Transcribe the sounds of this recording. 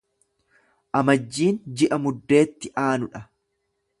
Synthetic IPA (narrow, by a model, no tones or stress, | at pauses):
ʔɐmɐd͡ʒːiːnd͡ʒɪʔɐmʊd̪ːe̞ːt̪ːɪʔaːnʊᶑɐ